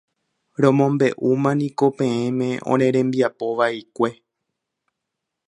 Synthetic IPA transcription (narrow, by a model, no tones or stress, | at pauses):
ɾõmõ̞mbe̞ʔumãnĩko̞pẽ̞ẽmẽ̞ʔõ̰ɾ̃ẽ̞ɾẽ̞mbiapo̞ʋaikʷe̞